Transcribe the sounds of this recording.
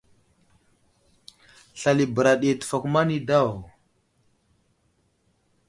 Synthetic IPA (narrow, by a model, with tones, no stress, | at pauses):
ɬa˨li˨bə˨ɾa˨ɗi˨tə̥˨fa˨kma˦ni˦da˦˨w